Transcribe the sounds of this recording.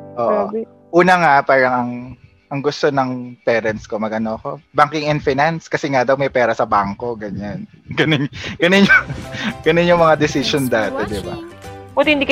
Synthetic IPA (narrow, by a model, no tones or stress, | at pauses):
ʔoːʔo | ʔuːnɐŋapaːɾɐŋɐŋ | ʔɐŋɡʊst̪o̞nɐŋpɛːɾɐnsko̞mɐɡ̚ʔɐno̞ɐko̞baŋkɪŋɛnfɪnanskɐsɛŋad̪ɐwmɐjpɛːɾɐsɐbaŋko̞ɡɐɲan | ɡɐnɪɲɡ̥ɐnɪɲoɡɐnɪɲːoŋmɐŋad̪ɪsɪʃond̪aːt̪ɛd̪ɪbapʊt̪hɪnd̪ik